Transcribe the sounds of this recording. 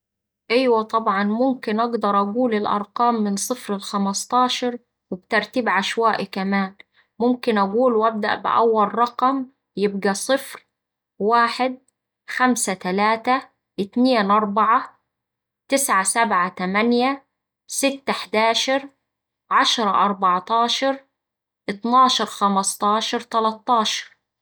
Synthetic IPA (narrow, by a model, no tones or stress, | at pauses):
ʔɪjwæt̪ˤɑbʕɑnmʊmkɪnʔɑɡd̪ɑɾˤʔaɡuːlɪlʔɑ̰ɾˤqɑːmːɪnsˤɨfɾɪlxamɑst̪ˤɑːʃɑɾˤ | wɪb̚t̪ɑɾˤt̪iːbʕaʃwaːʔikæmaːn | mʊmkɪnʔæɡuːlwʔæb̚d̪a̰ʔbɪ̰ʔæ̰wːalrˤɑqɑm | jɪbɡæsˤɨfɾ | waːħɪd̪̚ | xamsat̪ælaːt̪a | ʔɪt̪neːnʔɑɾˤbɑʕa | t̪ɪsʕasabʕat̪æmænja | sɪt̪ːħd̪aːʃɑɾˤ | ʕɑʃɾˤɑʔɑɾˤbɑʕt̪ˤɑːʃɑɾˤ | ʔɨt̪nɑːʃɑɾˤxæmɑst̪ˤɑːʃɑɾˤt̪alɑt̪ˤːɑːʃɑ̥ɾˤ